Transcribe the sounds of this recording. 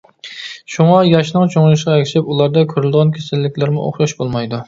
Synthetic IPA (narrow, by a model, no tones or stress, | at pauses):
ʃuŋɑjɑʃnɨŋt͡ʃʰoŋlˠɪʃqɑekʲʰɪʃɪpulˠɑɾd̪ɑkʲʰøɾɪld̪ʁɑnkʲʰesɪlːɪkʲlæɾmɪʔo̰χʃɑʃbolˠmɑjd̪u